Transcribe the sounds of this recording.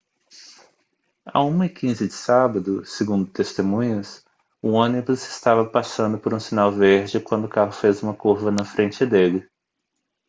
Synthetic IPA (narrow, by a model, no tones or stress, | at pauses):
a̰ũmɐikʰĩzɪd͡ʒɪsabɐd̪ʊseɡũnd̪ʊt̪est̪emũɲʊs | ʊõnibʊzɪ̥st̪avɐpasɐ̃nd̪ʊpoɾũsinawveɾd͡ʒɪkwɐ̃nd̪ʊkaɦʊfezũmɐkuɾvɐnɐfɾẽnt͡ʃɪd̪elɪ